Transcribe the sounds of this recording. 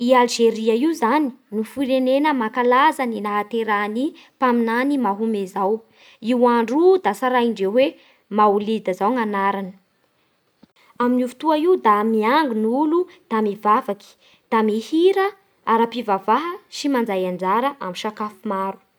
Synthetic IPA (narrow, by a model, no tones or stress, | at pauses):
ialʒeɾiaiuzani̥nufiɾenenəmakalazaninaɦat̪eɾani | paminanimaɦumezaw | iwaɳɖ͡ʐud̪asaɾaiɳɖ͡ʐewe | maulid̪əzawŋanaɾanə̥ | aminuvu̥t̪uaiwd̪amiaŋɡunulu | d̪̥amivavaki̥ | d̪̥amihiɾə | aɾapivavaɦəʃimand͡zajand͡zaɾəʔamiʃakafumaɾu̥